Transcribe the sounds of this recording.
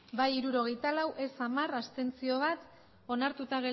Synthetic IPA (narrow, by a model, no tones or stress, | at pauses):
bajiɾuɾo̞ɣ̞e̞jt̪alawʔe̞samarast̪e̞nt͡sio̞β̞at̪ | o̞naɾt̪ut̪aɣe